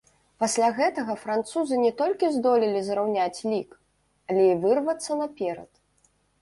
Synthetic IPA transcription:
pasʲlʲaɣɛt̪ɐɣɐfɾant̪suzɨnʲɛt̪ɔlʲkʲizd̪ɔlʲilʲizɾawnʲat͡sʲlʲik | alʲɛivɨrvɐt̪sːɐnɐpʲɛɾɐ̰t̪

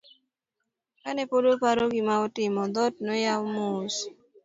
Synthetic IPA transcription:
kanɛpodopaɾoɡimaɔtɪmɔd̪ɔt̚nɔjawmos

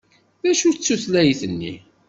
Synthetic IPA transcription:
ðæʃut͡sːuθlæjiθənːḭ

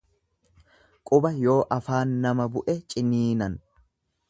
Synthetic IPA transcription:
kʼʊbɐjo̞ːʔɐfaːnːɐmɐbʊʔɛt͡ʃʼɪniːnɐn

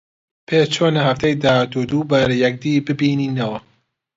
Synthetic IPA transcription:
pʰeːt͡ʃʰoːnɐɦɐft̪ɛjd̪ahat̪ud̪ubɐɾjɐk̚d̪iːbɨbiːniːnɐwɐ

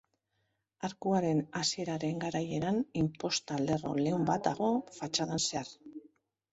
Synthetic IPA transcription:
aɾkuaɾe̞nasie̞ɾaɾe̞ŋɡaɾaje̞ɾanimpo̞st̪ald̪e̞ro̞̰le̞umbat̪̚d̪aɣ̞o̞fat͡ʃaðanse̞ar

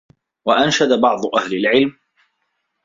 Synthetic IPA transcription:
waʔanʃad̪abɑʕd̪ˤʊʔahlalʕɪlm

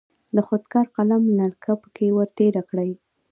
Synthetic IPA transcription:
d̪əxod̪kɑɾqalamnaɾkʰapə̥kewəɾt̪eɾakɽəj

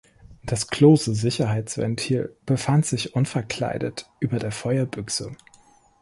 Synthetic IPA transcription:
d̥askloːsəzɪçɐɦaɪt͡sv̥ɛ̰ntʰiːlb̥əfantz̥ɪçʔʊnfɛɐkl̥a̰ɪdə̰tʔyːbɐdeːɐfɔʏɐbʏksə

